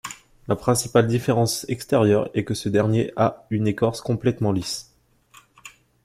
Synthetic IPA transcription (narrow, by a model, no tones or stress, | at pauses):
lapχɛ̃sipald̪ifeʁɑ̃sɛkst̪eʁjœʁɛkəsəd̪ɛʁnjeʔaynekɔʁskɔ̃plɛt̪mɑ̃lis